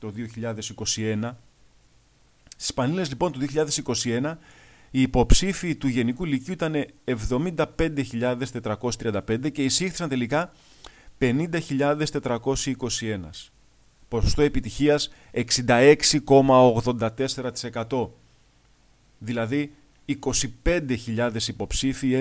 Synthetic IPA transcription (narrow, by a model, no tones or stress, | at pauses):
t̪o̞ðio̞çiʎɐðe̞siko̞sie̞nɐ | st̪i̥spɐnile̞zlipo̞nt̪uðio̞çiʎɐðe̞siko̞sie̞nɐ | iːpo̞psifiːt̪uʝe̞nikuliciuit̪ɐne̞ːvðo̞mind̪ɐpe̞nd̪e̞çiʎɐðe̞st̪e̞t̪ɾɐko̞sist̪ɾiɐnd̪ɐpe̞nd̪e̞ce̞isixθi̥sɐnt̪e̞likɐ | pe̞nind̪ɐçiʎɐðe̞st̪e̞t̪ɾɐko̞siiko̞sie̞nɐ̰s | po̞so̥st̪o̞e̞pit̪içiɐs | e̞ksind̪ɐe̞ksiko̞mɐoɣðo̞nd̪ɐt̪e̞se̞ɾɐt̪i̥se̞kɐt̪o̞ | ðilɐðiː | ko̞sipe̞nd̪eçiʎɐðe̞sipo̞psifi